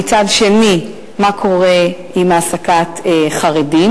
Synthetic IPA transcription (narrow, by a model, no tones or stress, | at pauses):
it͡sadʃe̞ni | makʰo̞ʁe | imasakateχaʁedim